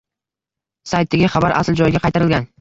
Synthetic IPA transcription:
sajt̪ʰːɪɡʲɪχɑbaɾʔa̰sld͡ʒɒjɪɡʲaqʰɑjt̪ʰaɾɪlɡʲan

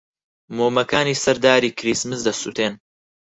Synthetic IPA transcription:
moːmɐkaːniːsɐɾd̪aːɾiːkʰɾismɨsd̪ɐsṵt̪ʰeːn

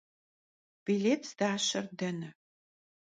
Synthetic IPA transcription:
b̥ileːtd̥aːɕɐrdɐnɐ

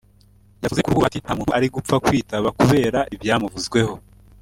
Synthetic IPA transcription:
javuzekuɾɡuatin̥hamuːnhuaɾiɡup͡fakwiːtaβakuβe̞ːɾaʔibjaːmuvuzɡwe̞ho̞

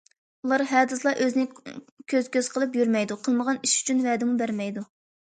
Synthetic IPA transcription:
ulˠɑɾɦɛːd̪ɨslˠɑʔøznɪkʲʰøz̥kʲøz̥qʰəlˠɨpjyɾmɛjd̪uqʰəlˠməʁɑniʃy̥t͡ʃʰynvɛːd̪ɪmubæɾmɛjd̪u

